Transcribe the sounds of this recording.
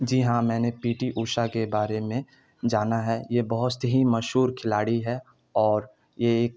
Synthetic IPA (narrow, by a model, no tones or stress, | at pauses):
d͡ʒiɦãmɛ̃ːnepiːʈiʔuːʃakebaːɾemẽ | d͡ʒaːnaɦɛjebɐɦʊt̪sɦimɐʃɦuːɾkʰɪlaːɽiɦɛ | ɔːɾ | jeeːk̚